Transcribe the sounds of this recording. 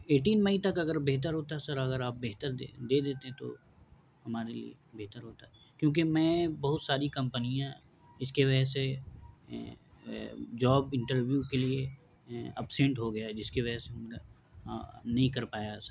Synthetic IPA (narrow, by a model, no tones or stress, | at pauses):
eːʈ̬iːnmɐit̪ɐkɐɡəɾbeɦt̪əɾɦoːt̪aɦɛsɐɾɐɣəɾaːp̚beɦt̪əɾd̪eːd̪eːt̪eɦɛ̃t̪o̰ | hɐmaːɾelḭḛbeɦt̪əɾɦoːt̪aɦɛ | kjõːk̬imɛ̃ːbɐɦʊt̪saːɾikɐ̃mpənijã | ɪskeʋɐd͡ʒɛse | d͡ʒɔːbɪ̃ɳʈəɾʋjukelie | ɐpsɛ̃ɳʈɦoɡɐjad͡ʒɪskeʋɐd͡ʒɛseɦɐmne | nɐɦĩkɐɾpaːjasɐɾ